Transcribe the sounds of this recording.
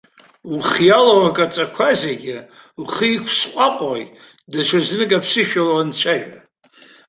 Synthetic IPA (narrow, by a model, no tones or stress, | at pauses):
uχjalawakʼat͡sʼakʷʰazeɡʲɪ | wχikʷʰsqʷʼaqʼoj | daʃʷaznɨkʼapʰsɨʃᶣalaant͡ɕʷʰajᶣa